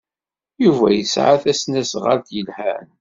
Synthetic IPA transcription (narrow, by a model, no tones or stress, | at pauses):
juvæ̰jəsʕaθæsnæsʁə̰ɾt̪jəlhæn